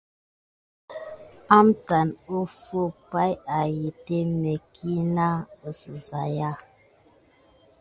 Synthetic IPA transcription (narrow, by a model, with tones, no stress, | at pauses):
a˦mta˨no˦fo˦˨pa˦ja˨ji˨te˦me˨kʰi˦na˦ə˨sə˨za˨ja˦